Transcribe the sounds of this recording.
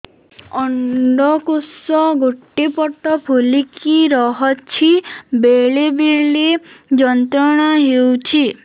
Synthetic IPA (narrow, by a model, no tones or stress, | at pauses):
ɔɳɖɔkusɔɡoʈːipɔʈːɔpʰulikiɾɔɦɔt͡ʃʰibeɭebiɭid͡ʒɔnt̪ɾɔɽ̃aɦewt͡ʃʰi